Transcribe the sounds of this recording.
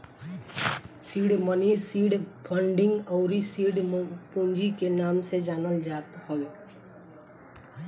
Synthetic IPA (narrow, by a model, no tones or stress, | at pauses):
siːɽmənisiːɽbʰə̃ɳɖɪ̃ŋɡɔːɾisiːɖpũnd͡ʒikenaːmsed͡ʒaːnəld͡ʒaːt̪həʋeː